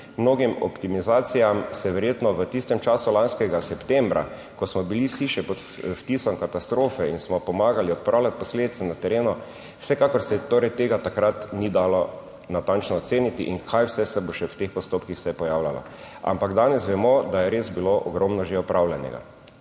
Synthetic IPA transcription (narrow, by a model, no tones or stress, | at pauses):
mnoːɡimɔ̰pt̪imizaːt̪sijamsɛʋɛɾjet̪nɔʋət̪ist̪ɛmt͡ʃaːsulanskɛɡasɛpt̪ɛmbɾa̰ | kɔsmɔbiliwsiʃɛpɔt̪ | ft̪iːsɔmkat̪ast̪ɾoːfɛinsmɔpɔmaːɡaliɔt̪̚pɾʔaːwlʲat̪̚pɔsled̪it̪sɛnat̪ɛɾeːnu | wsɛkakɔɾsɛt̪oːɾɛjt̪eːɡat̪akɾat̪nid̪aːlɔ | nat̪ant͡ʃnɔːt̪seːnit̪iʔiŋkʰajwsɛsɛboʃɛwt̪expɔst̪oːpkixwsɛpɔjaːwlʲalɔ̰ | a̰mpaɡd̪anɛsʋɛmɔd̪ajɛɾesbiloʔɔɡɾɔmnɔʒeɔpɾawlʲjanɛ̰ɡa̰